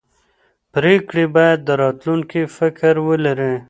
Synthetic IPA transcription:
pɾeːkɽibajed̪̚d̪əɾɑːt̪lunkifəkəɾwələɾẽː

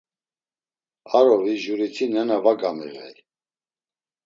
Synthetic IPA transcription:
aɾɔviʒuɾit͡sʰinɛnavaɡamḭʁɛ̰j

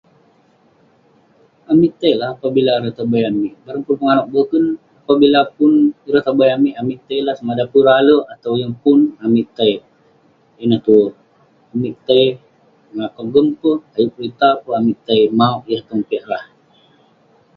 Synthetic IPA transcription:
amiʔt̪əjlahapabilaɾət̪abajamiʔbaɾəŋpulpəŋanɔʔ̚bəkən | apabilapunɾət̪abajamiʔamiʔt̪əjlahsəmadapəɾaləat̪awjəŋpʊnamiʔt̪əj | inəht̪u | amiʔt̪əj | ŋakɔɡəmpəhajuʔlit̪apəamiʔt̪əjmauʔjaht̪əmpɛʔlah

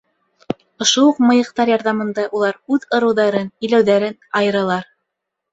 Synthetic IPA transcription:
ŏʃowuq̚mɤ̆jɤ̆qt̪ɑɾjɑɾðɑmɤ̆nd̪ɑʔulˠɑɾʉðŏɾɤ̆wðɑɾɤnɘ̆jlæwðæɾɘnɑjɤ̆ɾɑlˠɑɾ

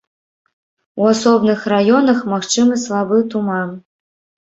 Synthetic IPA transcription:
uasɔbnɨxrajɔnɐxmaxt͡ʂɨmɐslˠabɨt̪uman

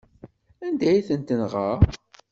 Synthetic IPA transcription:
ænd̪æjiθənt̪ənʁəʁ

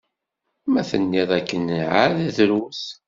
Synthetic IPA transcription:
mæθənːiðˤækːənʕaððɾuθ

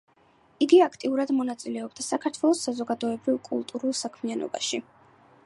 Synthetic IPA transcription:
iɡiakʰt̪ʼiuɾad̪mɔnat̪sʼilɛɔbd̪asakʰaɾt̪ʰwɛlˠɔsːazɔɡad̪ɔɛbɾivkʼṵlˠt̪ʼuɾulˠsakʰmianɔ̰ba̰ʃi

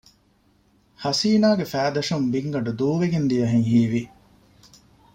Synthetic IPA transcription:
hɐsiːnaːɡefæːd̪ɐʂumbiŋɡɐɖud̪uːʋeɡend̪iɐɦeŋhiːʋi

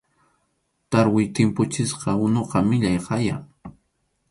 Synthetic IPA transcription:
t̪aɾwɪjt̪ɪmpʊt͡ʃɪsqɑʊnoqɑmɪʎajqɑja̰ŋ

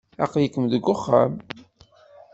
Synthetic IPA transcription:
ɑ̰qəljəkːəmðəɡːʊχːam

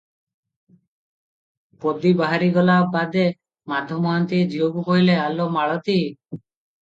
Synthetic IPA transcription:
pod̪ibaɦaɾiɡɔlabad̪e | mad̪ʱɔmɔɦant̪id͡ʒioɡupoilealomaɭɔt̪i

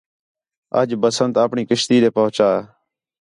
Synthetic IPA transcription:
ə̰d͡ʒbəsənt̪aːpɳiːkɪʃt̪iːɾeːpəɦt͡ʃaː

